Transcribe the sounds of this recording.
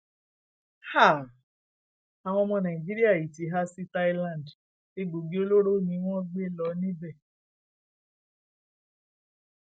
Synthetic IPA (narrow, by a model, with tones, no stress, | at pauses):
ha˦˨ | a˨w̃ɔ̃˧mɔ̃˧nã˨ĩ˨d͡ʒi˦ɾi˦a˦˨ji˨ti˨˦ɦa˦si˦ta˦i˦lã˦˨nd | e˦ɡ͡bo˨ɡi˦o˦lo˦ɾo˦nĩ˧˦w̃ɔ̃˦ɡ͡be˦lɔ˨˧˦nĩ˦bɛ˦˨